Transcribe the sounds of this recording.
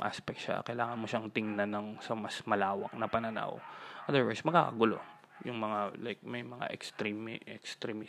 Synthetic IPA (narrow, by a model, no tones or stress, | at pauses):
ʔa̰spɛk̚t̪ʃa̰kɐjlaːŋɐnmoʃaŋt̪ɪŋnanɐŋsɐmɐsmɐlaːwɐ̰k̚nɐpɐnɐna̰wʔɐd̪ɛɹwɛ̰smɐɡ̚ka̰kɐɡʊlo̞̰ | jʊŋmɐŋalajk̚mɐjmɐŋa̰ʔɛkst̪ɾimɛkst̪ɾɛmi